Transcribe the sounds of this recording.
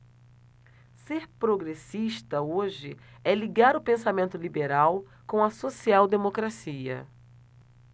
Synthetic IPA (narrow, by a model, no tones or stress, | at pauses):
seɾpɾoɡɾesiʃt̪ɐoʒɪɛliɡaɾʊpẽsamẽnt̪ʊlibeɾaw | kõw̃ɐsosiawd̪emokɾasiɐ̰